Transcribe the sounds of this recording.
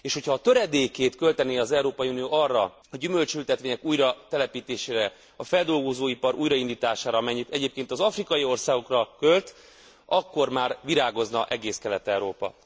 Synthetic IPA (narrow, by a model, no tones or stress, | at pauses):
eːʃho̞cʰhɒːt̪øɾɛd̪eːkeːt̪kø̞lt̪ɛniɒzɛuɾoːpɒjunijoːʔɒrːɒ | ɒɟymø̞lt͡ʃylt̪ɛt̪ʋeːɲɛkuːjɾɒt̪ɛlɛpiːt̪eːʃeːɾɛ | ɒfɛld̪o̞lɡo̞zoːipɒɾuːjɾɒind̪iːt̪aːʃaːɾɒɒmɛɲːit̪ɛɟeːp̚keːnt̪ɒzɒfrikɒjio̞rsaːɡo̞krɒkølt̪ | ɒkːo̞rmaːrʋiɾaːɡo̞znɒʔɛɡeːskɛlɛt̪ɛwɾoːpɒ̰